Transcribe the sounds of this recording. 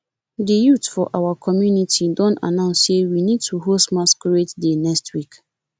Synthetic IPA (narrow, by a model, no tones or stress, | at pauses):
dijutfɔʔawakʰɔmjunitʰidɔ̃nta̰nãʊ̃nssewinĩd̚tʰuɦosmãskʰɾietdenɛkstʰwik